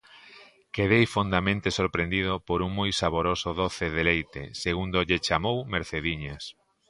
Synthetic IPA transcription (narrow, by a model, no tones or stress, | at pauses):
keðejfond̪amẽnt̪esoɾpɾend̪ið̞opoɾuŋmojsaβoɾosʊðoθeðelejt̪ḛseɣund̪oʎet͡ʃamowmeɾθeðiɲas